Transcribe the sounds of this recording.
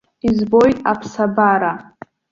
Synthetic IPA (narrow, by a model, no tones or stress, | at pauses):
izbo̞jtʼapʰsabaɾa